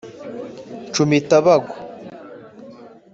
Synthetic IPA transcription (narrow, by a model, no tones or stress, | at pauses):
t͡ʃumitaβaɡo̥